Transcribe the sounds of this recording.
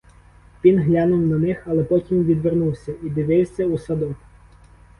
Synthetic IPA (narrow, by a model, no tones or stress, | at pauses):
ʋʲinɦlʲanʊwnɐnɪxɐlˠɛpɔtʲimʋʲid̪ʋernuwsʲɐid̪ɪʋɪwsʲɐusɐd̪ɔ